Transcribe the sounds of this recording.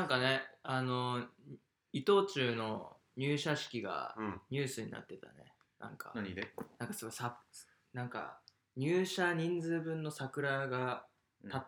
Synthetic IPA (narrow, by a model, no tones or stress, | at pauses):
nãŋkane̞ano̞ | it̪o̞ːt͡ɕɨːno̞ | ɲ̟ɨːɕaɕi̥kʲiɡa̰ɲ̟ɨːsɨɲ̟ḭna̰t̪ːe̞t̪a̰nḛ | nã̰ŋkʰa̰naɲienãŋkasoɾsa | nãŋka̰ | ɲ̟ɨːɕaɲ̟ĩnd͡zɨːbɯ̟̃nːo̞sakɯ̟ɾaɡa | t̪at̪ː